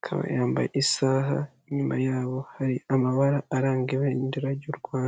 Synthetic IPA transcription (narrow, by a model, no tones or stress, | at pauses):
kʰa̰βa̰jaːmba̰jisaːɦa̰ | ɲuma̰jaːβo̞haɾiamaβaɾaːɾaːŋɡeβendiɾaɟuɾɡwaːn